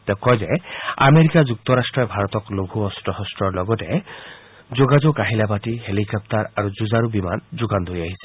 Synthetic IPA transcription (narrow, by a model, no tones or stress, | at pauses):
t̪ɛʊkɔjzɛa̰meɹikazuk̚t̪ɔɹastɹɔjbʱaɹɔt̪ɔkloɡʱuɔstɔhɔstɹɔɹlɔɡɔtɛ | zoɡad͡ʒokaɦilabatiɦelikɔp̚taɹaɹuzuzaɹubima̰nzuɡand̪ʱojaɦisɛ̥